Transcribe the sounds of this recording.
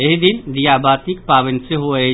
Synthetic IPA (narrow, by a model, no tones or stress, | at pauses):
eɦid̪ɪnd̪ijaːbʱaːt̪ik̚paːʋənseɦoe